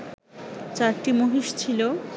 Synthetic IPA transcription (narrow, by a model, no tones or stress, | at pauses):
t͡ɕaɾʈimoɦiʃt͡ɕʰilo